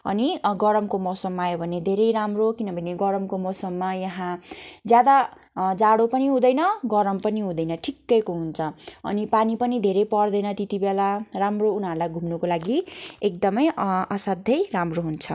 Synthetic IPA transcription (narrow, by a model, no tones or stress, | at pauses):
ʌ̰niɡʌɾʌmkomʌsʌmːaajobʱʌned̪ʱeɾʌjɾamrokinʌbʱʌneɡʌɾʌmkomʌsʌmːajʌɦãd͡zjad̪a | d͡zaɽopʌniɦũd̪ʌjnʌɡʌɾʌmpʌniɦũd̪ʌjnʌʈʰikːʌjkoɦunt͡sʰʌʌ̰nipanipʌnid̪ʱeɾʌjpʌrd̪ʌjnʌt̪it̪ibelaramrounɦʌɾlajɡʱumnukolaɡiek̚d̪ʌmʌjʌsʌd̪ʱjʌjramroɦunt͡sʰʌ